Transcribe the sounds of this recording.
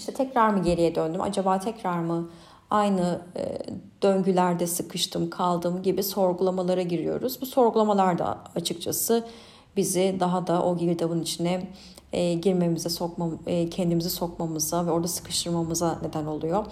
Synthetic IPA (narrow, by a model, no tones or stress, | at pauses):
iʃt̪ʰɛt̪ʰɛcɾaɾmɯɟe̞ɾijɛd̪ønd̪ymʔa̰d͡ʒabaːt̪ʰɛcɾaɾmɯ | ajnɯ̰ | d̪̥øɲɟylʲæɾd̪ɛsɯkʰɯʃt̪ʰɯmkʰalˠd̪ɯmɟibiso̞ɾɡulˠamalˠaɾaɟiɾijo̞̰ɾuzbuso̞ɾɡulˠamalˠaɾd̪a̰at͡ʃʰɯkt͡ʃʰasɯ | bizid̪aɦad̪aʔo̞ɟibid̪avɯnit͡ʃʰinɛː | ɟiɾme̞mizɛso̞kmacʰɛnd̪imizɛso̞kmamɯzavɛo̞ɾd̪asɯ̥kʰɯ̥ʃt̪ʰɯɾmamɯzane̞d̪æno̞lˠujo̞